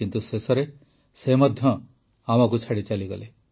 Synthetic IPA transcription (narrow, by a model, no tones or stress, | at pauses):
kint̪usesɔɾe | semad̪ʱjɔ | amɔk̬ut͡ʃʰaɽit͡ʃaliɡɔ̰le